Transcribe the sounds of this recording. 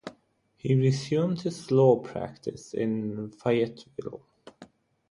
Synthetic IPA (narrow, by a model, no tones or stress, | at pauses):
hiɹɪzjʉ̃ːmd̥̚hɪz̥lɔːpʰɹ̥æ̰k̚tʰɨ̰sɪ̰̃nfaɪɛtʰvɪ̰lˠ